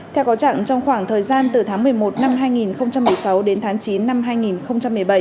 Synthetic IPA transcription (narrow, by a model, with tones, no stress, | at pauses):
ɛ˧wkɔ˨˦t͡ɕa̰ː˧˨ŋt͡ɕɔ˧wŋ͡mxwaː˧˩ŋt̪ʰəː˨˩jzaː˧nt̪ɨ˨˩t̪ʰaː˨˦ŋmɨ˨˩əjmo˨˩t̚na˧mɦaː˧jŋi˨˩nxə˧wŋ͡mt͡ɕa˧mːɨ˨˩əjsa˨˦wɗe˨˦nt̪ʰaː˨˦ŋt͡ɕi˨˦nːa˧mɦaː˧jŋi˨˩nxə˧wŋ͡mt͡ɕa˧mːɨ˨˩əjɓə˧˩j